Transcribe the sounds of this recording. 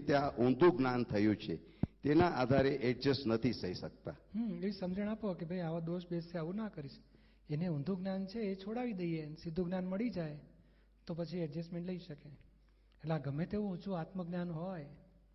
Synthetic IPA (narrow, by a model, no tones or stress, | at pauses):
t̪jaʔũnd̪ʱuɡnant̪ʰəjũt͡ʃʰe | t̪enaʔad̪ʱaɾeʔɛʈ̚d͡ʒəsnət̪ʰisəjʃək̚t̪a̰ɦeʋisəmd͡ʒəɽ̃apokebʱajaʋad̪oʃbeseaʋũnakəɾiʃ | eneũnd̪ʱuɡnant͡ʃʰeːt͡ʃʰoɽaʋid̪əiensid̪ʱːuɡnanməɭid͡ʒaj | t̪opət͡ʃʰiɛʈd͡ʒesmẽɳʈləiʃəkeː | ʈleaɡəmːet̪eʋũut͡ʃʰũat̪mək̚ɡnanɦɔj